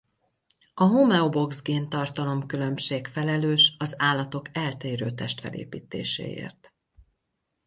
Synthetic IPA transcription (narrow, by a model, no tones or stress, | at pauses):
ɒɦomɛobo̞ɡzɡeːnt̪ɒrt̪ɒlo̞mkylø̞mʃeːkfɛlɛløːʃɒzaːlːɒt̪o̞kɛlt̪eːɾøːt̪ɛʃt̪fɛ̰lḛːpḭːt̪ḛːʃḛːḛːrt̪